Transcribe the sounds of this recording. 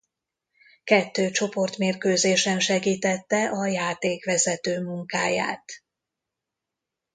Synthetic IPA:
kɛt̪ːøːt͡ʃo̞po̞rt̪meːrkøːzeːʃɛnʃɛɡiːt̪ɛt̪ːɛʔɒjaːt̪eːkʋɛzɛt̪øːmuŋkaːja̰ːt̪

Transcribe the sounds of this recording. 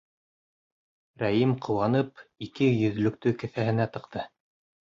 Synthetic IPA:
ɾæjimqʰɤ̆wɑnɤpikɘjɵ̆ð̆lɵ̆k̚t̪ɵkɘ̆θæhɘ̆næt̪ɤ̆qt̪ɤ

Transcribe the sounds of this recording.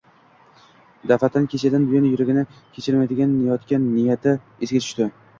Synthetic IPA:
d̪afat̪ʰankʲʰe̞t͡ʃʰad̪anbʊjanjʊɾɪɡʲɪnɪkʲʰet͡ʃʰɪɾmajd̪ɪɡʲanːɪjɒt̪kʲanːɪjat̪ʰɪ | ezɡʲat͡ʃ̪ʰʊ̥ʃt̪ɪ

